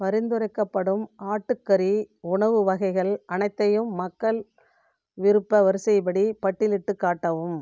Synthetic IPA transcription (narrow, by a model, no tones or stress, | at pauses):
pɐɾɪnd̪ɯɾɐɪkːɐpːɐɽɯmʔaːʈːɯkːɐɾiʊɳɐʋɯʋɐɣɐɪɣɐɭʔɐnɐɪt̪ːɐjɯmːɐkːɐɭ | ʋɪɾɯpːɐʋɐɾɯsɐjbɐɽipɐʈːɪlɪʈːɯkːaːʈːɐʋɯm